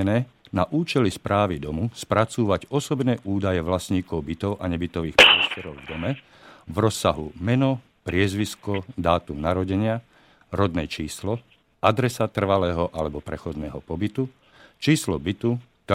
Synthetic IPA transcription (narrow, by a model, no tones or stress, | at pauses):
ɛnɛːnaʔuːt͡ʃɛlispɾaːʋid̪ɔmuspɾat͡suːʋaɟɔsɔbnɛːʔuːd̪ajɛʋlasɲiːkɔʊbit̪ɔʊʔaɲɛbit̪ɔʋiːxpɾɪɛst̪ɛɾɔʊvd̪ɔmɛ | vɾɔsːaɦṵmɛnɔ | pɾɪɛzʋiskɔd̪aːt̪umnaɾɔɟɛɲɪa | ɾɔd̪nɛːt͡ʃiːslɔ | ʔad̪ɾɛsat̪r̩ʋalɛːɦɔʔalɛbɔpɾɛxɔd̪nɛːɦɔpɔbit̪u | t͡ʃiːslɔbit̪u | t̪